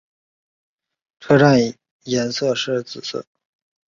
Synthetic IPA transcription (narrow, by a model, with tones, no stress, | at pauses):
ʈ͡ʂʰɤ˥ʈ͡ʂa˥˩n | jɛ˧˥nsɤ˥˧ʂɻ̩˥˩t͡sɹ̩˨˩sɤ̰˥˩˦